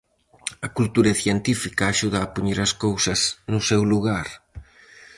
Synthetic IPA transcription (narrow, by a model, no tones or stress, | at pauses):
ɐkult̪uɾɐθjent̪ifikɐːʃuð̞ɐːpuɲeɾɐskowsɐznʊsewluɣ̞aɾ